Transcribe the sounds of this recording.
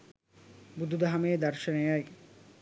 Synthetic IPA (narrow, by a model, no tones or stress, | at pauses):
bud̪ʱud̪aɦameːd̪aɾʃɐnejaj